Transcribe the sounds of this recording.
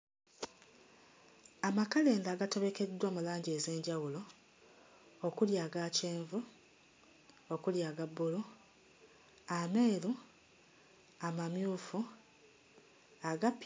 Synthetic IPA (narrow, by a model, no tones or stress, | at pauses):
amakale̞ːndaːɡato̞βe̞ke̞dːwomulaːɲɟe̞ze̞ːɲɟawulo̞ | okuljaːɡaːceːɱvu | okuljaːɡabːulu | ameːɾu | amamjuːfu | aɡap